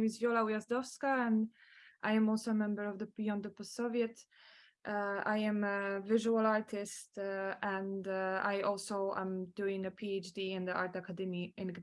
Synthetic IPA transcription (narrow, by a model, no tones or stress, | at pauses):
mɪzvjɔlawiazdɔfskaə̃nʔaɪɨ̃mɔlˠsoʊəmɛ̃mbə˞ɔvðəb̥ijɔ̃nd̪əpɔssoviɨt | ʔaɪɨ̃məvɪʒuəlaɹtʰɪstə̃ndajʔɔlˠsoʊã̰mduɪ̃ŋəpʰiet͡ʃdiɪ̃nðiaɹt̪akʰadɛmiɪ̃nɡ